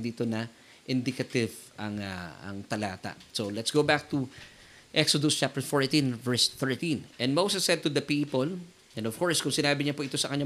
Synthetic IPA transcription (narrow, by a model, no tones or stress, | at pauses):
d̪iːt̪onɐ | ʔɪ̃nd̪ɪkɐt̪ɪv | ʔɐŋa̰ɐ̰ŋt̪ɐlaːt̪ɐ̰solɛt̪sɡowbak̚t̪u | ʔɛksod̪ost͡ʃap̚t̪ɛɹfoɹt̪ĩnvɛɹsθɛɹt̪ĩnʔɛ̃nmowsɛsːɛd̪̚t̪ud̪ɐpiːpol | ʔɛ̃nd̪ɔv̥kɔɹskʊŋsɪnaːbɪɲɐpoʔɪt̪osɐkɐɲa